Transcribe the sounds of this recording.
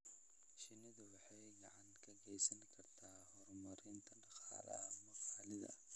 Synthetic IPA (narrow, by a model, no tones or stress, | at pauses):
ʃɪnɪðʊwɑħɑjɡɑʕɑŋkʰɐɡɛjsɐnkʰɐrt̪ʰaːhɔrmɐɾɪnt̪ʰɐɖɑqɑ̰ːlɐ̰mɔqɑːlɪðɐ̰